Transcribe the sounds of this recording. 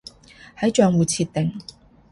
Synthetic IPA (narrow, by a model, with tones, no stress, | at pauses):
hɐ˨˥jt͡ʃœː˨ŋwuː˨˩t͡sʰiː˧t̚t̪ːɪ˨ŋ